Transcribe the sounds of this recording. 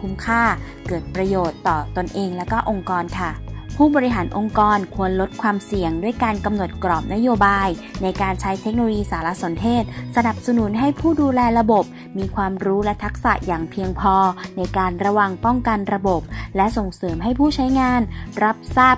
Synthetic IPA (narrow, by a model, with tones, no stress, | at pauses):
pʰuː˦˥mkʰaː˥˩ | kɤː˨˩t̪̚pɾa˧joː˨˩t̪ːɔː˨˩t̪o˧nʔeː˧ŋlɛː˦˥wkɔː˥˩ʔo˧ŋkɔː˧nkʰa˥˩pʰuː˥˩bɔː˧ɾi˦˥ɦaː˩˦nʔo˧ŋkɔː˧nkʰu˧ənlo˦˥t̪̚kʰwaː˧msi˨˩əŋdu˥˩əjkaː˧nka˧mno˨˩t̪̚kɾɔː˨˩p̚na˦˥joː˧baː˧jna˧jkaː˧nt͡ɕʰa˦˥jt̪ʰe˦˥k̚no˧lo˧jiː˧saː˩˦la˦˥so˨˩˦nt̪ʰeː˥˩t̪̚sa˧na˨˩p̚sa˧nu˩˦nɦa˥˩jpʰuː˥˩duː˧lɛː˧ɾa˧bo˨˩p̚ | miː˧kʰwaː˧mɾuː˦˥lɛ˦˥t̪ʰa˦˥k̚sa̰˨˩ʔjaː˨˩ŋpʰi˧əŋpʰɔː˧na˧jkaː˧nɾa˧wa˧ŋpɔ˥˩ŋka˧nɾa˧bo˨˩p̚lɛ˦˥ʔso˨˩ŋsɤː˩˦mɦa˥˩jpʰuː˥˩t͡ɕʰa˦˥jŋaː˧nɾa˦˥p̚saː˥˩p̚